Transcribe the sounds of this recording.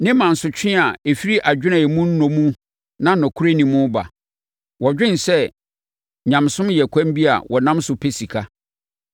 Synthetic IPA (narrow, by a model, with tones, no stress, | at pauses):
nɪ̃˦mã˨n̩˨sʊ˨t͡ɕᶣɪ̃˦a˨e˨fi˦ɾi˦ʔa˨d͡ʑᶣɪ˦nã˨mũ˦n̩˦nɔ̃˨mũ˦ | nã˦nɔ̃˨kʰu˦ɾe˦nĩ˨mʊ̃˦ba̰˨ | wɔ˨d͡ʑᶣɪ̃˦n˨sɛ˦ | ɲã˨msʊ̃˦mjɛ˨kʷʰã˦m˦bi˦a̰˨wʔɔ˨nã˦msʊ˨pʰe˦si˨kʰa˦